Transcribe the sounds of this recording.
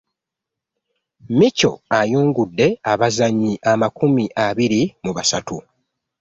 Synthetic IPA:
mico̞̰ajuːŋɡudːe̞aβazaɲːiʔamakumiʔaβiɾimuβasatu

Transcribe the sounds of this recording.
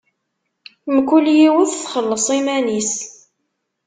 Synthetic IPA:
mkʷuljiwəðθχəlːəsˤimænis

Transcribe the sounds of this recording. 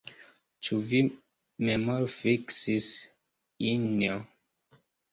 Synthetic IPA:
t͡ʃuvi | memalfiksis | inia

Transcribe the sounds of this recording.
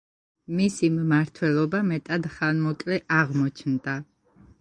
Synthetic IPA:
misimːaɾt̪ʰwɛlˠɔbamɛt̪ʼad̪χanmɔkʼlɛʔaʁmɔt͡ʃʰnd̪a

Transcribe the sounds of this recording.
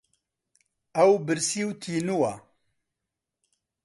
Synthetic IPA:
ɐwbɨɾsiwt̪ʰiːnuwa

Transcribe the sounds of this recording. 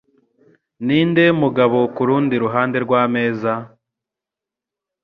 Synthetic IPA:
niːnde̞muɡaβokuɾuːndiɾuɦaːnde̞ɾɡwaːme̞ːza

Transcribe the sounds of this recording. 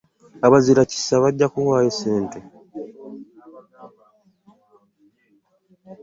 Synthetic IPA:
aβaziɾaci̥saβaɟːakuhwaːjeseːnte

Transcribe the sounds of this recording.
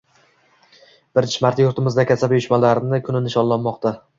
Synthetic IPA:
b̥ɪɾt͡ʃmaɾt̪joɾt̪ɪmɪzd̪akʲasabjʊʃmalaɾnɪkʲʰʊnɪnɪʃɒnlːanmɒqt̪ʰa

